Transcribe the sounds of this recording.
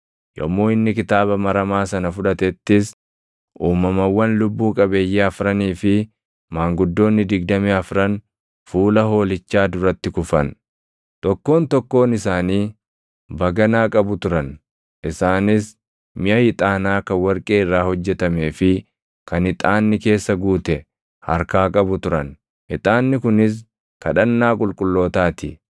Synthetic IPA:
jɔ̰mːoːɪnːɪkɪt̪aːbɐmɐɾɐmaːsɐnɐfʊᶑɐt̪ɛt̪ːɪs | ʔuːmɐmɐwːɐnlʊbːuːkʼɐbe̞ːjːeɐfɾɐniːfɪ | maːŋɡʊd̪ːo̞ːnːɪd̪ɪɡ̚d̪ɐmiɐfɾɐn | fuːlɐɦo̞ːlɪt͡ʃːaːd̪ʊɾɐt̪ːɪkʊfɐn | t̪ɔkːo̞ːnt̪ɔkːo̞ːnɪsaːniː | bɐɡɐnaːkʼɐbʊt̪ʊɾɐn | ʔɪsaːnɪs | mɪʔɐhɪt̪ʼaːnaːkɐwɐɾkʼe̞ːɪrːaːhɔd͡ʒːɛt̪ɐme̞ːfɪ | kɐnɪt̪ʼaːnːɪke̞ːsːɐɡuːt̪ɛ | hɐ̰ɾkaːkʼɐbʊt̪ʊɾɐn | ɪt̪ʼaːnːɪkʊnɪs̬ | kɐᶑɐnːaːkʼʊlkʼʊlːo̞ːt̪aːt̪ɪ

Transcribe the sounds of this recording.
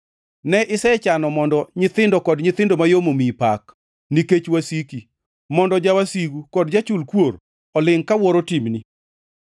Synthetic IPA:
nɛʔɪsɛt͡ʃanɔmɔndɔɲɪt̪ɪndɔkɔdɲɪt̪ɪndomajomomipak | niket͡ʃwasiki | mɔndɔd͡ʒawasiɡukɔdd͡ʒat͡ʃulkwoɾ | ɔlɪŋkawɔɾotimni

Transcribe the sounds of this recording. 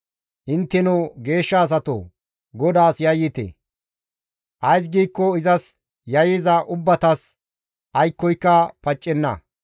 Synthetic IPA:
ʔɪnt̪ːɛnɔɡe̞ːʃːaːs̬ɐt̪o̰ | ɡɔd̪aːsjɐjːɪt̪ḛ | ʔɐjs̬ɡiːkːɔɪzɐs | jɐjɪzɐʔʊbːɐt̪ɐs | ʔɐjkːɔjkːɐpɐt͡ʃʼːɛnːɐ̰

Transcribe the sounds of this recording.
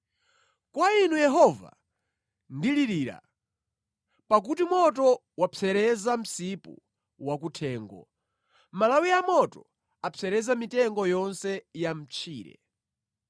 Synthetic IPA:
kwainujɛɦɔva̰ | ndiliɾiːɾa̰ | pak̬utimɔtɔ | wapɛɾɛzam̩sipṵ | wak̬utʰɛːŋɡɔ̰ | malawiamɔtɔ | apʰɛɾɛzamitɛŋɡɔjɔnsɛjam̩t͡ʃʰiːɾɛ̰

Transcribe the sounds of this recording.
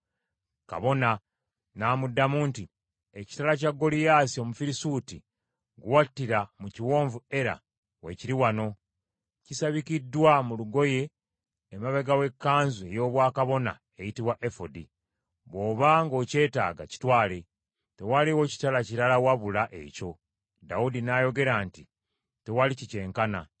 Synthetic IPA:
ka̰βo̞na | naːmudːamuːnti | eci̥talac̬aɡːo̞lijaːsio̞mufiɾisuti | ɡuwatːiɾamuciwo̞ːɱvue̞ɾa̰ | we̞̰ciɾiwano̞ | cisaβikidːwamuluɡo̞je̞ː | maβeɡawe̞kːaːnzue̞jo̞ːβwaːkaβo̞na̰ | ejitiβwaʔefodi | βo̞ːβaŋɡo̞ːce̞ːta̰ːɡaci̥twaːle̞ | te̞waliwo̞ci̥talaciɾalawaβulaʔe̞̰ːco̞ | daudinajo̞ɡe̞ɾaːnti | te̞walicice̞ːŋkana̰

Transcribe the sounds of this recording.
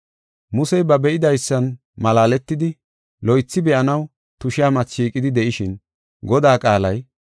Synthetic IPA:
mʊsɛjbɐbɛʔɪd̪ɐjsːɐn | mɐlaːlɛt̪ːɪd̪ɪ | lɔjt͡sːɪbɛʔɐnɐw | t̪ʊʃɪaːmɐt͡sʃiːkʼɪd̪ɪd̪ɛʔɪʃɪn | ɡɔd̪aːkʼaːlɐj

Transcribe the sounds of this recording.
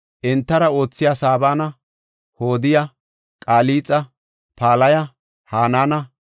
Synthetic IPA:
ʔɛnt̪ːɐɾɐo̞ːt͡sːɪjaːsaːbaːnɐ | hoːd̪ɪjɐ | kʼaːliːt͡sʼːɐ | paːlɐjɐ | haːnaːnɐ

